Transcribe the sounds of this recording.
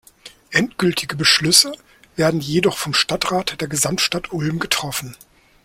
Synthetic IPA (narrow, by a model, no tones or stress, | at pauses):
ʔɛntɡ̥ʏltʰɪɡəbəʃlʏsə | veːɐdn̩jedɔχfɔmʃtatʁ̥aːtd̥eːɐɡəzamtʃtatʔʊlmɡətʁ̥ɔfn̩